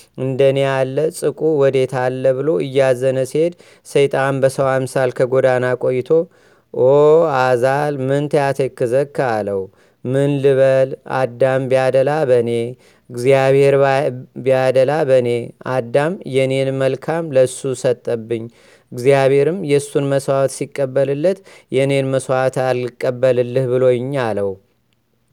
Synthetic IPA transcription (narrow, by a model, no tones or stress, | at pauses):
ɨnd̪ənealːəsʼɨkʼuwɔd̪e̞t̪ʰalːəβɨlo̞ʔɨjːazənəsihe̞d̪ | səjt̪ʼanbəsəwamsalkʰəɡo̞d̪anakʼo̞jːɪt̪ʰo̞ | ʔoazalmɨnt̪ʰəjat̪ʰekːɨzəkːaləw | mɨnlɨβəla̰d̪ːambijad̪əlabəne̞ | ɡzijaβhe̞ɾbiad̪əlabəne̞ad̪ːamjɛne̞nməlkʰamləɨsːusət̪ʼːəbːɨɲː | ɨɡzijaβhe̞ɾɨmjɛɨsːunməswat̪sikʼːəbːəlɨlːət̪jɛne̞nməswat̪ʰalːɨkʼːəbːəlɨlːɨhbɨlo̞jɪɲːaləw